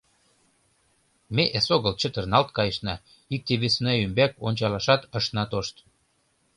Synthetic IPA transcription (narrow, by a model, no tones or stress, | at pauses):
meʔesoɣəlt͡ɕət̪ərnɑlt̪̚kɑjəʃnɑ | ik̚t̪eβesnæymbæko̰nʲt͡ɕɑlɑʃɑt̪əʃnɑt̪oʃt̪